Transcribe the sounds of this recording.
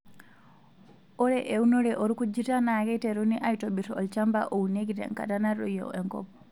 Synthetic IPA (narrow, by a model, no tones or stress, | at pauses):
ʔɔɾɛʔewnɔɾɛʔɔɾkud͡ʒitanakɛtɛɾuniʔajtɔɓitɔɔlt͡ʃambaʔowneɡitɛ̰ŋka̰tanarɔ̰jɔ̰ɛŋkɔ̰pːɔ̥